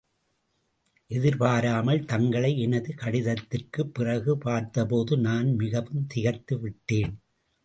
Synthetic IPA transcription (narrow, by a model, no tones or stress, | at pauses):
ʔɛðɪɾpaːɾaːmɐɭt̪ɐŋɡɐɭɐɪɛnɐðɯkɐɽɪðɐt̪ːɪrkɯpːɪrɐɣɯpaːɾt̪ɐpoːðɯnaːnmɪɣɐʋɯmt̪ɪɣɐɾt̪ːɯʋɪʈːeːn